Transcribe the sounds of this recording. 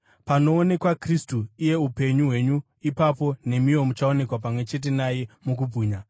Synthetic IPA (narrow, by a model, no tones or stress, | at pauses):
pano̞ːne̞kwakristuije̞upe̞ɲuɦwe̞ɲu | ipapo̞ne̞mio̞mut͡ʃaone̞kwap̬amwe̞t͡ʃe̞t̬e̞naje̞muk̬ubʱuːɲa